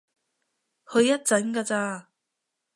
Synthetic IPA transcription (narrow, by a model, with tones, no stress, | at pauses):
hʰɵ˨˧ɥjːɐ˥t̚t͡sɐ˨˥nkaː˧t͡saː˧